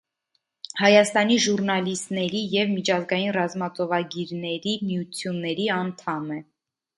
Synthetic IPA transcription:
hɑjɑst̪ɑniʒurnɑlist̪nɛɾijɛvmit͡ʃʰɑzɡɑjinrɑzmɑt͡sɔvɑɡiɾnɛɾimijut͡sʰjunːɛɾiɑnt̪ʰɑmɛ

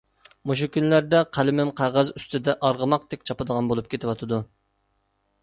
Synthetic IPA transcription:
muʃ̬ukʲʰynlæɾd̪ɛqʰælɪmɪmqʰɑʁɑzyst̪ʰɪd̪ɛʔɑɾʁəmɑq̚d̪ɛkʲt͡ʃʰɑpɨd̪əʁɑnbolˠup̚kʲʰet̪ɪwɑt̪ʰɨd̪u

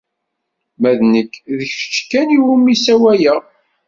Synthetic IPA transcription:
mæðnəkːðəçʃə̥t͡ʃːkːæniwumːisæwæjə

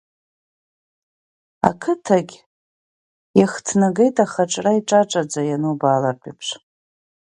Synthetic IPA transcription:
a̰kʰɨtʰaɡʲ | jaχtʰnaɡejtʼaχaʈ͡ʂʼraiʈ͡ʂʼaʈ͡ʂʼad͡zajanubalartʷʼipʰʂ

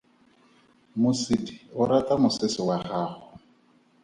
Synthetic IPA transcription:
mʊsidɪʊɾatamʊsɪsɪwaχaːχʊ

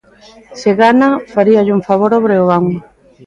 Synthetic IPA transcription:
seɣanafaɾiaʎuŋfaβoɾoβɾeoɣaŋ

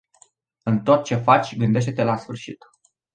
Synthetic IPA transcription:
ɨnt̪o̞t̪̚t͡ʃe̞fat͡ʃʲɡɨnd̪e̞ʃ̬t̪e̞t̪elasfɨrʃit̪

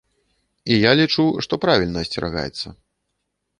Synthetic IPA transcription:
ijalʲit͡ʂuʂt̪ɔpɾavʲilʲnɐːsʲt͡sʲɛɾa̰ɣa̰jɛt̪sːɐ̰

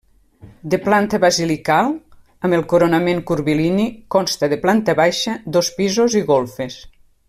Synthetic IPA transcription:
d̪əplant̪əβazilikalˠ | əmelˠkuɾonameŋkuɾβilinikɔnst̪əðeplant̪əβajʃɐd̪ospizoziɣolˠfes

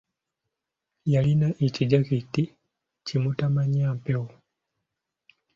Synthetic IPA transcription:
jalinaʔit͡ʃid͡ʒakiti | t͡ʃimutamaɲampɛu

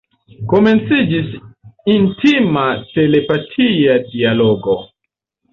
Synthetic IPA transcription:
ko̞me̞nt͡sid͡ʒisintimate̞le̞patʰiadialo̞ɡo̞

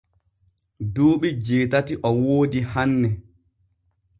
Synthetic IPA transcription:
duːɓid͡ʒeːtatiʔɔwoːdihanːɛ

